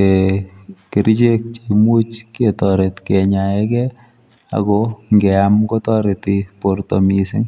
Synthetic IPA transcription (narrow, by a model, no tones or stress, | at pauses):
e | kɪɾt͡ʃek̚t͡ʃimut͡ʃkɛtɔɾɛtkɛɲaɛkɛ | a̰kɔŋɡɛamkɔtɔɾɛtiportomisɪŋ